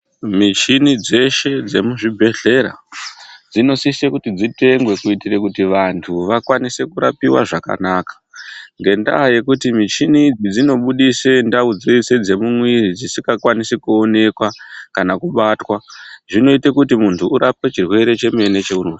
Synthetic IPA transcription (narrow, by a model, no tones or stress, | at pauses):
mit͡ʃinid͡ze̞ʃe̞d͡ze̞muʐibʱe̞ɬe̞ɾa̰ | d͡zino̞sisekutid͡zite̞ŋɡwe̞kuitiɾekutiʋantʰuʋakwanise̞kuɾa̰piwa̰ʐaka̰naːkḁŋɡe̞nda̰ːje̞kutimit͡ʃinid͡zid͡zino̞ɓuɗise̞ndaud͡ziise̞d͡ze̞mumwiɾid͡zisiŋɡakwanisekuone̞kwakanakuɓatwaʐino̞itekutimuntʰuːɾap̚e̞t͡ʃirwe̞ɾe̞t͡ʃe̞me̞ne̞t͡ʃe̞uro